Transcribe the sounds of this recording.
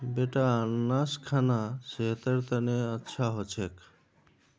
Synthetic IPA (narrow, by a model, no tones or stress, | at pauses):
beʈaanːaskʰanaseɦt̪əɾt̪əneətːʃʰaɦot͡ɕʰek